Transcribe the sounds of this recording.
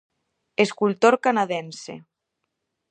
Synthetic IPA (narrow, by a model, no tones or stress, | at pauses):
eskult̪oɾkanaðensḛ